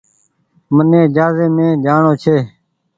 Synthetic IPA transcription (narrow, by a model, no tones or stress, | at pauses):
mənẽːd͡ʒaːzeːmẽːd͡ʒaːɳoːt͡ʃʰeː